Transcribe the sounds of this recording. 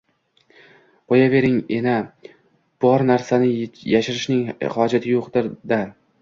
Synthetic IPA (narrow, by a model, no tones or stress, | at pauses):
bɒjabe̞ɾɪŋena | b̥ɒɾnaɾsanɪjaʃɪɾɪʃnɪŋhɒd͡ʒat̪ʰɪjoqd̪ɪɾd̪a